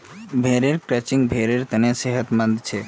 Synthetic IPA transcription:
bʱeɾeɾkɾɛt͡ʃiŋɡ̚bʱeɾeɾt̪əneseɦət̪mə̃nd̪t͡ʃʰe

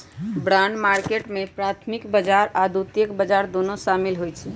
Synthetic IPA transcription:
bɾanmaɾkeʈmepɾat̪ʰmikbəd͡ʒaɾad̪ut̪jəkbəd͡ʒaɾd̪onoʃamilɦojt͡ʃʰɛ

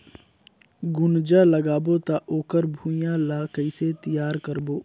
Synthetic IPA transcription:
ɡʊnd͡ʒaləɡaːbot̪aʔoːkəɾbʱuːjãlaːkəiset̪ijaːɾkəɾboː

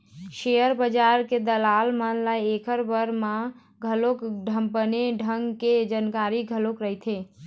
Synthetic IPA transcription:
ʃejəɾbəd͡ʒaɾked̪əlalmanlajekəɾbəɾmã | ɡʱəlokɖʱəmpəneɖʱəŋɡked͡ʒənkaɾiɡʱəlokɾəɦit̪ʰe

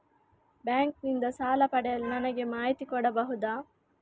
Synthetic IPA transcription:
bɛːŋk̚nind̪ɐsaːlɐpɐɖejɐlnɐnɐɡemaːit̪ikoɖɐbɐɦud̪aː

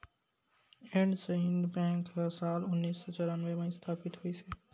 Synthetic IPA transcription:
ẽɳɖseɪ̃nd̪bɛ̃ːŋkəsaːlʊnːiːsːɔt͡ʃɔɾaːnʋemẽst̪ʰaːpɪt̪ɦuiseː

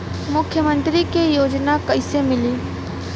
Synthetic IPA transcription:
mʊkʰjəmə̃nt̪ɾikejoːd͡ʒnakɐɪsemɪliː

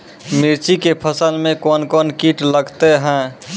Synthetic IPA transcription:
miɾt͡ʃikepʰəsəlmẽkɔnkɔnkiʈləɡʱt̪eɦɛ̃

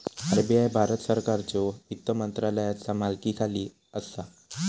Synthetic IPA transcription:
aɾebiajbʱaɾət̪səɾkaɾt͡sɔikt̪ːəmənt̪ɾaləjat͡samalkiːkʰaliː | əsa

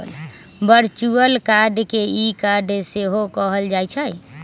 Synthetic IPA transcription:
l | bəɾt͡ʃuəlkaɖkeikaɖseɦokəɦəld͡ʒajt͡ʃʰəj

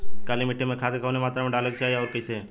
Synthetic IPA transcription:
kaːlimeʈʰːemẽkʰaːt̪ekʰaːnemaːt̪ɾamẽɖaːləɡ̚t͡ʃaːɦeɔːɾpəseː

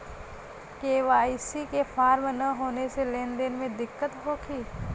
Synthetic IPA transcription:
keːʋaːisikefʰaːɾmnɐɦoːneselẽːnd̪enmẽd̪ɪkːət̪ɦoːkʰiː

